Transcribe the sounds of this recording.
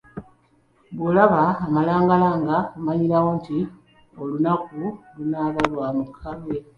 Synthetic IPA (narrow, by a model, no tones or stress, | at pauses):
βulaβaːmalaːŋɡalaːŋɡakumaɲiɾawonti | olunakulunaːβalwamukʰaβwe